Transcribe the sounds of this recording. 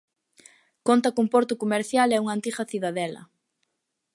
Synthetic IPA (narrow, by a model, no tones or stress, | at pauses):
kont̪ɐkumpɔɾt̪ʊkomeɾθjalɛuŋant̪iɣɐθiðaðɛlɐ̰